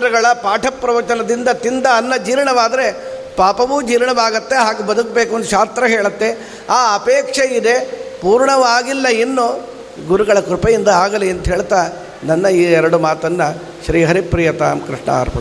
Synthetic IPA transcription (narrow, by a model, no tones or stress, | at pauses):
ɾɐɡɐɭɐpaːʈʰɐpːɾɐʋɐt͡ʃɐnɐd̪ind̪ɐt̪ind̪ɐːnːɐd͡ʒiːɾɳɐʋaːd̪ɐɾe̞ | paːpɐʋud͡ʒiːɾɐɳɐbaːɡɐt̪ːe̞ɦaːɡebɐd̪ukbeːkund̪uʃaːst̪ɾɐɦeːɭɐt̪ːe̞ | aːɐpeːkʂeid̪e̞puːɾɳɐʋaːɡilːɐinːu | ɡuɾuɡɐɭɐkɾupɐjind̪ɐaːɡɐliɐnt̪ɐɦeːɭt̪aː | nɐnːɐiːɛɾɐɽumaːt̪ɐnːɐ | ʃɾiːɦɐɾipɾiːjɐt̪a̰ːmkɾiʂɳɐ̰a̰ːɾpɐ